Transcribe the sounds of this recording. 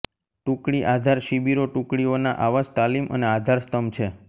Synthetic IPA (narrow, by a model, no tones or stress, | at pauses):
ʈũkɽiʔad̪ʱaɾʃibiɾoʈũkɽionaʔaʋad͡ʒt̪alimʔə̰nead̪ʱaɾst̪əmt͡ʃʰe